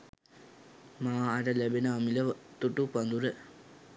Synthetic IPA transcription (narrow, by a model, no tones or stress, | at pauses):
maːɾɐlebinaːmilɐt̪uʈːupɐnd̪uɾe